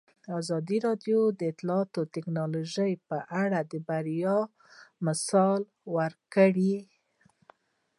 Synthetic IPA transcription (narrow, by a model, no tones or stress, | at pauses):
ɑzɑd̪iɾɑd̪jod̪əɪt̪lɑɑt̪ot̪ɪknɑloʒəjpəʔaɽad̪əbaɾjɑ | mɪsɑl | wəɾkəɽi